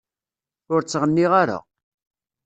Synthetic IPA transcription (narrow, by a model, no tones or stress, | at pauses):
ʊɾt͡sːʁənːiʁaɾa̰